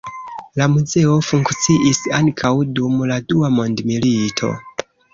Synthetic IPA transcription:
lamuze̞o̞fuŋkt͡siʔisaŋkʰawdumladuamo̞ndmilitʰo̞̰

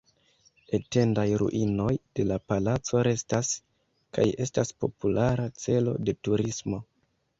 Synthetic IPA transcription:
e̞te̞ndajɾṵʔino̞jd̥e̞lapalat͡so̞ɾe̞stas | ka̰je̞staspo̞̰pulaɾat͡se̞lo̞̰de̞tuɾismo̞

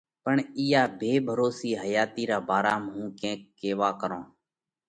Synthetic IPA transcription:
pəɳiːjaːbʱeːbʱəɾoːsiːɦəjaːt̪iːɾaːbaːɾaːmɦũːkẽːkːeːʋaːkəɾõː

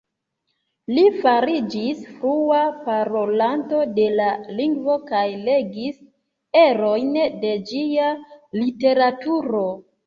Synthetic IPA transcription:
lifaɾid͡ʒisfɾuapaɾo̞lanto̞de̞laliŋɡvo̞kajle̞ɡis | e̞ɾo̞jnde̞d͡ʒialite̞ɾatuɾo̞

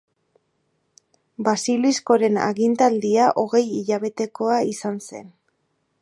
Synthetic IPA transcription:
basilisko̞ɾe̞na̰ɣint̪ald̪iaʔo̞ɣe̞jiʎaβe̞t̪e̞ko̞aisanse̞̰n

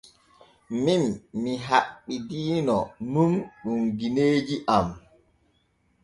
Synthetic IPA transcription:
minːiɦaɓːidiːnɔnumɗuŋɡineːd͡ʒiʔam

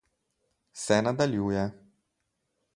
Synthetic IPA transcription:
sɛnad̪aljuːjɛ

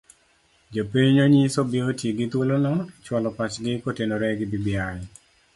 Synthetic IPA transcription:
d͡ʒopiɲɲoɲisobiotjeɡɪt̪wolonɔt͡ʃwɔlɔpat͡ʃɡɪkotenoɾɛɡɪbibɪajɔ

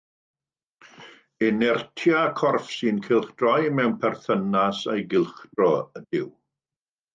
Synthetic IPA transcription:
ɪnɛrtʰjakʰɔrfsinkʰɪlˠχd̥rɔjmɛwnpʰɛrθənasejɡɪlˠχd̥rɔəd̥ɪw

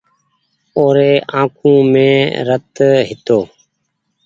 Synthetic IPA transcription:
oːɾeːʔã̰ːkʰũːmẽːɾət̪ɦɪt̪oː

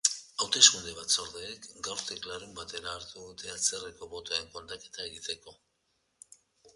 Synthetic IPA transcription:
awt̪e̞skund̪eβ̞at͡so̞ɾðeːkɡawɾt̪eklaɾembat̪e̞ɾaːɾt̪uðut̪e̞at͡sereko̞βo̞t̪oeŋko̞nt̪ake̞̥t̪ae̞ɣit̪e̞ko̞

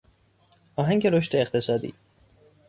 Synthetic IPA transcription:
ɒːɦæŋɡeɾoʃt̪eːqt̪ʰe̞sɒːd̪ḭː

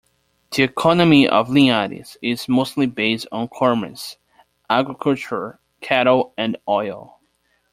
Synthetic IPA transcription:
ðiɨkʰɑnɨmiʔʌ̰vliaɾḭz̥ɪzmoʊstˡlibeɪstn̩kʰɔɹmɨ̰̃ns | ʔæɡɹɨkʰʌlˠt͡ʃə˞ | kʰæɾoʊɨ̃nɔɪlˠ

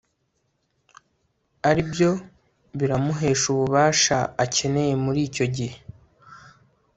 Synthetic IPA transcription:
aɾibjo̞ | βiɾamuɦe̞ːʃuβuβaːʃaace̞ne̞je̞muɾiːco̞ɟihe

